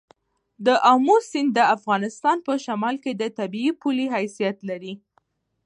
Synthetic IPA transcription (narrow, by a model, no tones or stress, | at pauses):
d̪əʔamusɪnd̪əafɣɑnɪst̪ɑnpəʃamɑlked̪ət̪abiːpuliɦajsijat̪laɾi